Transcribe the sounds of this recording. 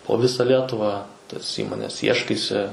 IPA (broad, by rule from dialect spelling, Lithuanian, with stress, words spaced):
poː ˈʋʲɪsɐ ˈlʲiɛtʊʋɐ tɐs ˈiːmoːnʲɛs ˈiɛʃkɐɪsʲɪ